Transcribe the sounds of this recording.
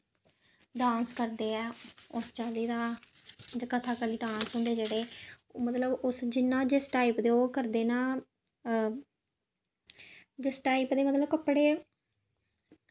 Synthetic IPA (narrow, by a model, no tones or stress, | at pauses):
ɖãːnskəɾd̪eːɛːʊst͡ʃaːliːd̪aː | d͡ʒkət̪ʰaːkəliːɖaːnsɦʊ̃ːnd̪eːd͡ʒeːɽeː | mət̪ləbʊsd͡ʒɪnːãːd͡ʒesʈaːiːpd̪eːoːkəɾd̪eːnãː | d͡ʒɪsʈaːipd̪eːmət̪ləb̚kəpːɽeː